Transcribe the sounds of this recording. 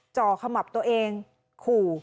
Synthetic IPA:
t͡ɕɔː˧˩kʰa˧ma˨˩p̚t̪u˧əʔeː˧ŋ | kʰuː˨˩

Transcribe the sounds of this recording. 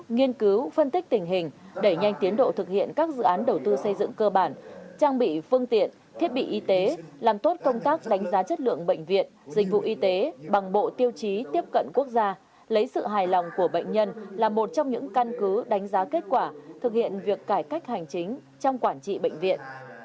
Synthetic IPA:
ŋi˧ənkɨ˨˦wfə˧nt̪i˦˥k̚t̪ï˨˩ŋ̟ɦï˨˩ŋ̟ɗe˧˩ɲa˧jŋ̟t̪i˨˦ənɗo̰˧˨t̪ʰɨ˨˩k̚hḭ˧˨ənkaː˦˥k̚zɨ̰˧˨ʔaː˨˦nɗə˨˩wt̪ɨ˧sə˧jzɨ̰˧˨ŋkəː˧ɓaː˧˩nt͡ɕaː˧ŋɓḭ˧˨fɨ˧əŋt̪ḭ˧˨ən | t̪ʰi˦˥ət̚ɓḭ˧˨ʔi˧t̪e˨˦laː˨˩mt̪o˦˥t̚kə˧wŋ͡mt̪aː˦˥k̚ɗa˨˦jŋ̟zaː˨˦t͡ɕə˦˥t̚lɨ̰˧˨əŋɓə̰˧˨jŋ̟vḭ˨ənzï˧˨k̟̚vṵ˧˨ʔi˧t̪e˨˦ɓa˨˩ŋɓo̰˧˨t̪i˧əwt͡ɕi˨˦t̪i˦˥əp̚kə̰˧˨nku˦˥ək̚zaː˧ | lə˨˦jsɨ̰˧˨ɦaː˨˩jlɔ˨˩wŋ͡mku˧˩əɓə̰˧˨jŋ̟ɲə˧nlaː˨˩mo˨˩t̚t͡ɕɔ˧wŋ͡mɲɨ̰˧˥ŋka˧nkɨ˨˦ɗa˨˦jŋ̟zaː˨˦ke˦˥t̚kwaː˧˩t̪ʰɨ˨˩k̚hḭ˧˨ənvi˨˩əkːaː˧˩jka˦˥jk̟̚ha˨˩jŋ̟t͡ɕï˨˦ŋ̟ | t͡ɕɔ˧wŋ͡mkwaː˧˩nt͡ɕḭ˧˨ɓə̰˧˨ŋ̟vḭ˧˨ən

